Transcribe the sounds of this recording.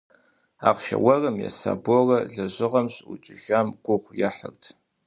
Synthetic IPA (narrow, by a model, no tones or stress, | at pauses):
aːqʃɐwɐrɨmjɛ̰sa̰ːborɐɮɐʑɪʁɐmɕʼut͡ʃʼɪʒamɡʷʊʁʷjaħərtʰ